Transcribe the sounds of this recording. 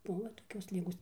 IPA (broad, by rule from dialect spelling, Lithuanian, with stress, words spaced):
ˈbʊʋoː toːˈkʲoːs ˈlʲɪɡoːs